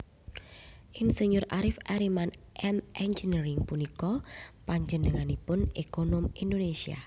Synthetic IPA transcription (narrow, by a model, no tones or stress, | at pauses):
ʔinseɲʊɾʔaɾɪfʔaɾimanʔɛmʔɛnd͡ʒiniɾɪŋpunikɔpaɲd͡ʒənəŋanipʊnekonɔmindonesia̰